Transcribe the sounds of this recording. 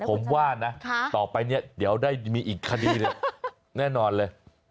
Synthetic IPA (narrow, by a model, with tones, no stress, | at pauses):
pʰo˩˦mwaː˥˩na˦˥t̪ɔː˨˩pa˧jni˥˩ɐdi˩˦əwdaː˥˩jmiː˧ʔiː˨˩kʰːa˧diː˧nɯ˥˩ | nɛː˥˩nɔː˧nlɤː˧j